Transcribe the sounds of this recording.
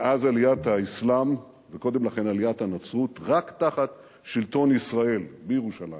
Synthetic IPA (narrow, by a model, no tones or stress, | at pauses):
ʔazalijat̪haislam | veko̞de̞mlaχe̞nalijat̪hanat͡sʁut̪ʁaktaχat | ʃilto̞nisʁae̞lbejeʁuʃala̰j